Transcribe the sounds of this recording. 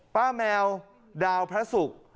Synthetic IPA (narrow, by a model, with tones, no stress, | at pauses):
paː˥˩mɛː˧w | daː˧wpʰɾa˦˥su˨˩k̚